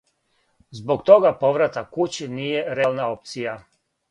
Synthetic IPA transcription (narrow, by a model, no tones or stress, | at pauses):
zbo̞kt̪o̞ɡapo̞ʋɾat̪akut͡ɕinije̞ɾelnao̞p̚t̪sija